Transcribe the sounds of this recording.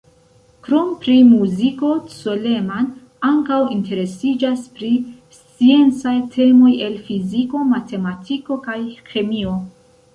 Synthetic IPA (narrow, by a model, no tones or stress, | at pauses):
kɾompɾimuziko̞t͡sole̞man | aŋkawinte̞ɾe̞sid͡ʒaspɾi | st͡sie̞nt͡sajtʰe̞mo̞je̞lfiziko̞mate̞matʰiko̞kajxe̞mio̞